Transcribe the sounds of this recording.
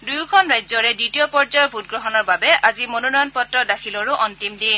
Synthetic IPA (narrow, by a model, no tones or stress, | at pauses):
dujkʰɔnɹajzɔɹɛditijɔpɔɹzɔjɔbʱut̚ɡɹɔɦɔnɔɹbabɛʔazimononɔjɔnpɔtɹɔdakʰilɔɹʊʔɔntimdin